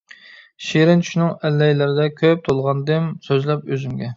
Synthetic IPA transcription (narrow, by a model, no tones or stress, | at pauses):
ʃiɾɪnt͡ʃʰy̥ʃnɨŋɛlːɛjlɪɾɪd̪ɛkʲʰøp̚t̪ʰolˠʁɑnd̪ɨmsøzlɛp̚øzymɡʲɛ